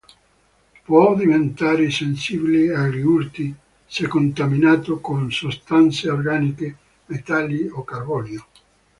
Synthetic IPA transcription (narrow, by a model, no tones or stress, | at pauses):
pwɔd̪ivent̪aːɾesensiːbileariurt̪i | sɛkːont̪aminaːt̪okonsost̪ant̪seorɡaːnike | met̪alːiokarbɔljo